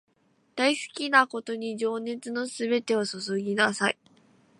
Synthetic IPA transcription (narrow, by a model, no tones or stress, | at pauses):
d̪̥aisɨ̥kʲinako̞t̪o̞ɲ̟id͡ʑo̞ːne̞t͡sɨno̞sɨbe̞t̪e̞osɨsoɡʲinasai